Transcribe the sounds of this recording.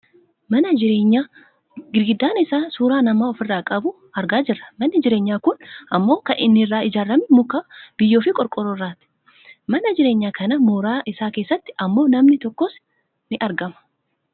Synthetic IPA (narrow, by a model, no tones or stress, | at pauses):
mɐnɐd͡ʒɪɾeːɲːaː | ɡɪɾɡɪd̪ːaːnɪsaːsuːɾaːnɐmaːɔfɪrːaːkʼɐbʊ | ɐɾɡaːd͡ʒɪrːɐ̥mɐnːɪd͡ʒɪɾe̞ːɲːaːkʊnʔɐmːo̞ːkɐʔɪnːɪrːaːɪd͡ʒaːrːɐmɛmʊkaːb̥ɪjːo̞ːfɪkʼɔɾkʼɔɾorːaːt̪ɪ̥ | mɐnɐd͡ʒɪɾeːɲːaːkɐnɐmuːɾaːʔɪsaːke̞ːsːɐt̪ːɪ̥ʔɐmːo̞ːnɐmnɪt̪ɔkːɔs | nɪʔɐɾɡɐmɐ̥